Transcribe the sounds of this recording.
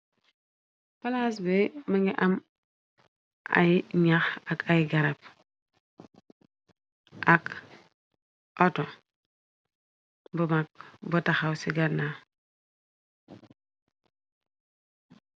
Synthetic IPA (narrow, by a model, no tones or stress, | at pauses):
palas̬bemaŋɡiʔam | ʔa̰jiɲaxakajɡaɾap̚ | ak | ʔoto | bumak̚botaxawsiɡana